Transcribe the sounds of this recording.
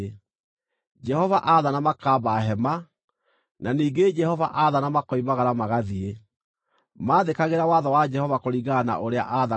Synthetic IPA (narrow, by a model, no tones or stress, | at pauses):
d͡ʒɛhɔvaʔaðanamakaːbaɦɛma | naniːɡed͡ʒɛhɔva̰ʔaðanamakɔimaɣaɾamaɣaðie | maːðekaɣeɾawaðɔwad͡ʒɛhɔvakoɾiɣana̰ʔoɾea̰ʔaða